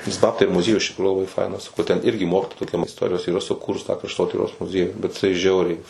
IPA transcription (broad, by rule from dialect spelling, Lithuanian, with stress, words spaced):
nʲɛs ˈbɑːptɐɪ ɪr mʊˈzʲiɛjʊs ɪʃ tʲɪkˈruːjuː lˠɐˈbɐɪ ˈfɐɪnɐs nʊ tʲɛn ˈɪrʲɡʲɪ ˈmoːkʲɪtoːjɛ toːˈkʲɛm ɪsˈtoːrʲɪjoːs iːˈrɐ sʊˈkuːrʊs tɑː krɐʃˈtoːtʲiːroːs mʊˈzʲiɛjuː bʲɛt jɪˈsɐɪ ˈʒʲɛʊrʲɛɪ